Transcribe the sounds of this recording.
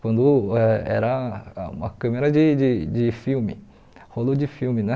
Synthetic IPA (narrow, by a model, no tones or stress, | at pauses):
kwɐ̃nd̪ʊɛɛ̰ɾɐũmɐ̰kɐ̃meɾɐd͡ʒɪd͡ʒɪd͡ʒɪfiwmɪ | holod͡ʒɪfiwmɪnɛ